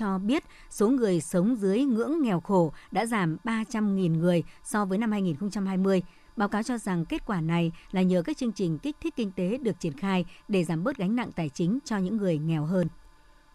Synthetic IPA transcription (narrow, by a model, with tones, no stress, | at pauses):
ɔ˧ɓi˦˥ət̚ | so˨˦ŋɨ˨˩əjsə˨˦wŋ͡mzɨ˨˦əjŋɨ̰˧˥əŋːɛ˨˩wxo˧˩ɗa̰ː˧˥zaː˧˩mɓaː˧t͡ɕa˧mŋi˨˩nŋɨ˨˩əjsɔ˧vəː˨˦jna˧mhaː˧jŋi˨˩nxə˧wŋ͡mt͡ɕa˧mhɦaː˧jmɨ˧əj | ɓaː˨˦wkaː˨˦wt͡ɕɔ˧za˨˩ŋke˦˥t̚kwaː˧˩na˨˩jlaː˨˩ɲəː˨˩kaː˦˥k̚t͡ɕɨ˧əŋt͡ɕï˨˩ŋ̟kï˦˥k̟̚t̪ʰi˦˥k̚kï˧ŋ̟t̪e˨˦ɗɨ˨˩ək̚t͡ɕi˧˩ənxaː˧jɗe˧˩zaː˧˩mɓəː˦˥t̚ɣa˨˦jŋ̟na̰˧˨ŋt̪aː˨˩jt͡ɕï˨˦ŋ̟t͡ɕɔ˧ɲɨ̰˧˥ŋːɨ˨˩əjŋɛ˨˩wɦəː˧n